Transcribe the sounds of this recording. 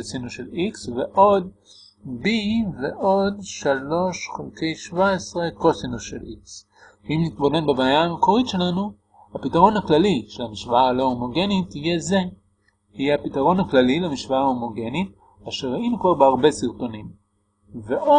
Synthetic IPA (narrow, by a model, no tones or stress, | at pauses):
sinuʃeliksveʔo̞d̪ | biveʔo̞dʃalo̞ʃχelke̞jʃvaesʁe̞ko̞sinuʃḛlʔiks | imnit̪̚bo̞ne̞nbebeajaːmekoʁitʃe̞lanu | hapitaʁo̞nhaklaliʃe̞lamiʃvaalo̞omo̞ɡe̞nit̪ijeze | hiapitaʁo̞nhaklalilemiʃvaaomo̞ɡe̞nit̚ | aʃeʁainukvaʁbeaʁbe̞siʁto̞nim | veʔo